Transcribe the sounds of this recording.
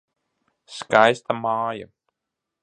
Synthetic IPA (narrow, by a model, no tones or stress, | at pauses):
skajst̪ʰamaːjə̰m